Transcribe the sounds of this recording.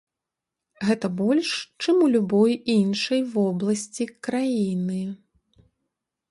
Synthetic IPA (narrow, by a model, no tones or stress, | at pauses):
ɣɛt̪ɐbɔlʲʂt͡ʂɨmulʲubɔjinʂɐjvɔblˠɐsʲt͡sʲikɾajinɨ